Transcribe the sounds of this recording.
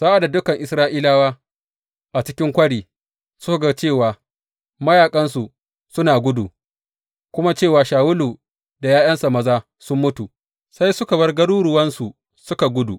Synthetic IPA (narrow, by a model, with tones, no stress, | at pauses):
saː˦ʔa˨da˨dʊ˦kɐ˨ŋʔɪ˨sɾaː˦ʔiː˦laː˦waː˦ | ʔa˨t͡ʃɪ˦kʲɪ˦ŋkʷɐ˦ɽiː˨ | sʊ˦ka˨ɡa˦˨t͡ʃeː˦˨waː˨ | mɐ˦jaː˨kʼɐ˦nsu˨ | sʊ˦naː˨ɡʷʊ˦du˨ | kʷʊ˦ma˦t͡ʃeː˦˨waː˨ʃaː˨wʊ˦luː˨ | da˨jaː˦jɐ˦nsa˨mɐ˦zaː˦ | sʊ˦mːʊ˦tu˨ | sa˦jsʊ˦ka˨bɐ˦rɡɐ˦ɽuː˦ɾʊ˨wɐ˦nsu˨ | sʊ˦ka˨ɡʷʊ˦du˨